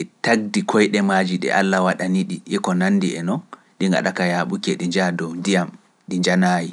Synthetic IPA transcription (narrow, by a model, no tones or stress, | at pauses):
ʔɛtaɡ̚dikʰɔjɗɛmaːd͡ʒiɗɛ̰ʔa̰lːawaɗaniɗiʔɛkɔnanːdiɛnɔn | ɗiŋɡa̰ɗakajaɓukɛɗiɲd͡ʒadɔwndijam | ɗiɲd͡ʒanaːji